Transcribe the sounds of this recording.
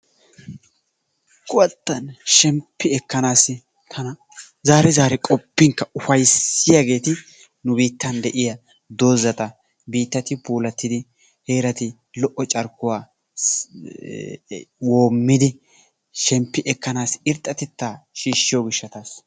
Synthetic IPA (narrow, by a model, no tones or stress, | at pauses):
kʼʊwɐt̪ːɐnʃɛmpːɪɛkːɐnaːsɪ | t̪ʰɐnɐ | zaːɾɛzaːɾɛkʼɔpːɪŋkːɐʊfɐjsɪjaɡe̞ːt̪ɪ | nʊbiːt̪ːɐnd̪ɛʔɪjɐ | d̪o̞ːzɐt̪ʼɐ | biːt̪ːɐt̪ɪpuːlɐt̪ːɪd̪ɪ | he̞ːɾɐt̪ɪ | lɔʔːɔt͡ʃʼɐɾkːʊwaː | wo̞ːmːɪd̪ɪ | ʃɛmpːɪʔɛkːɐnaːsɪɾt̪ʼːɐt̪ɛt̪ːaːʃiːʃːɪjoɡɪʃːɐt̪as